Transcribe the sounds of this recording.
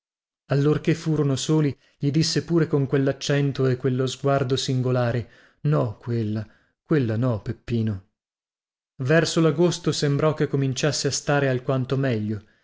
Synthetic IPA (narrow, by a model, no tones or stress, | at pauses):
alːorkefːuːɾonosoːli | ʎid̪isːepuːɾekoŋkwelːat͡ʃːɛnt̪oekːwelːozɡward̪osiŋɡolaːɾe | nɔkwelːa | kwelːanɔpepːiːno | vɛrsolaɡost̪osembɾɔkekːomint͡ʃasːeast̪aːɾealkwant̪omɛʎːo